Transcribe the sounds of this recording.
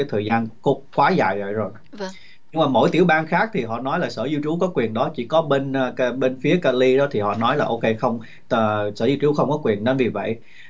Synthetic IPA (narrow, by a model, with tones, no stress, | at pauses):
aː˨˦t̪ʰəː˨˩zaː˧nko˦˥kwaː˨˦za̰ː˧˨jvə̰˧˨jzo˨˩j | ɲɨ˧ŋŋ͡mmaː˨˩mo̰˧˩jt̪i˧˩əwɓaː˧nxaː˦˥k̚t̪ʰi˨˩ɦɔ̰˧˨nɔ˨˦jlaː˨˩səː˧˩zu˧t͡ɕu˨˦kɔ˨˦kwi˨˩ənɗɔ˨˦t͡ɕi˧˩kɔ˨˦ɓe˧nː˧ɓe˧nfi˨˦əkaː˧li˧ɗɔ˨˦t̪ʰi˨˩hɔ̰˧˨nɔ˨˦jlaː˨˩ʔo˧wke˧xə˧wŋ͡m | t̪əː˨˩səː˧˩zu˧t͡ɕu˨˦xə˧wŋ͡mkɔ˨˦kwi˨˩ənnə˨˧nvi˨˩və̰˧˨j